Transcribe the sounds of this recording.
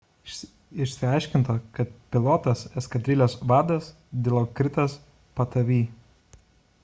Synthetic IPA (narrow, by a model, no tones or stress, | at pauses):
ɪʃʲsʲɪɐɪʃʲkʲɪnt̪oːkɐt̪̚pʲɪlˠɔt̪ɐsɛskɐd̪ʲɾʲɪlʲoːsʋɑːd̪ɐs | d̪ʲɪlˠoːkɾʲɪt̪ɐs | pɐt̪ɐʋʲiː